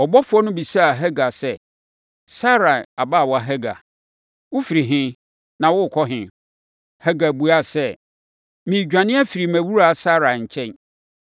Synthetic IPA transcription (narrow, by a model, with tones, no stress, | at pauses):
ɔ˨bɔ˦fʊ˦ɔ˦nʊ̃˦bi˨sa˦a˨ɦɛ˦ɡa˨sɛ˦ | sa˦ɾa˨a˨baː˦˨wɔ˨˦a˨ɦɛ˦ɡa̰˨ | wʊ˦fi˨ɾi˨ɦɪ̃˦ | nã˨wʊ˦˨kʰɔ˦ɦɪ̃˨ | hɛ˦ɡa˨bu˨a˦sɛ˦ | mĩ˨d͡ʑᶣã˨nɪ̃˦ɛ˦fi˨ɾi˨mæ̃˨wu˦ɾa˨sa˦ɾa˨ɲ̩˨t͡ɕʰɛ̃˦ɲ